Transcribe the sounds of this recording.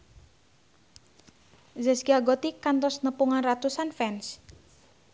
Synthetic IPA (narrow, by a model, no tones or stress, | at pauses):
zɛsɡiaɡot̪ikant̪ɔsnəpuŋanrat̪usanfɛns